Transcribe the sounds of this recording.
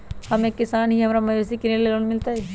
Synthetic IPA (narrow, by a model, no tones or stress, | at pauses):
hɐmeːkːɪsaːnɦiɦɐmaɾamɐesekɪnellːɐɡənmɪlt̪aɦɛ